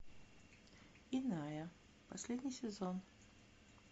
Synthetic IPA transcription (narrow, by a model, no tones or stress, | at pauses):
ɪnajə | pɐsʲlʲed̪ʲnʲɪjsʲɪzon